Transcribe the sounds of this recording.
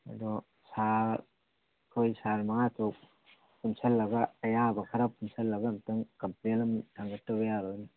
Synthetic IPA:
ɐ̰dɔ | sa | kʰojsaɾmɐŋatɔk̚ | punsʰɐlːɐɡɐːjabɐkʰɐɾakunsʰɐlːɐɡɐːmtɐŋkɐmplenɐmtʰaŋɡɐtːɐbɐjaɾoni

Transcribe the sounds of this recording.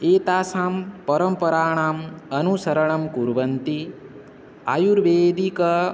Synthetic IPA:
eːt̪aːsaːmpɐɾɐmpɐɾaːɳ̃aːmɐnusɐɾɐɳ̃ɐmkuɾʋɐnt̪i | ajuɾʋeːd̪ikɐ

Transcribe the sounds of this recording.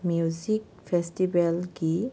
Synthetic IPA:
muzik | pʰɛstibɛlki

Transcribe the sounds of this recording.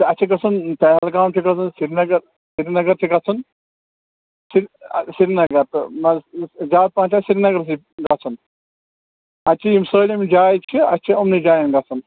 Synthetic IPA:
t̪ɐt͡ʃʰiɡɐt͡sʰunpɛɦɛlɡaːmt͡ʃʰiɡɐt͡sʰunsiɾinɐɡɐɾ | siɾinɐɡɐɾt͡ʃʰiɡɐt͡sʰun | siɾsiɾinɐɡɐɾt̪ɨnɐd͡ʒaːt̪̚pãːt͡ʃʰasiɾinɐɡɐɾsi | ɡɐt͡sʰun | ɐt͡ʃʰijimsəːlimd͡ʒaːjt͡ʃʰiɐt͡ʃʰiɐmnid͡ʒaːjɐnɡɐt͡sʰɐn

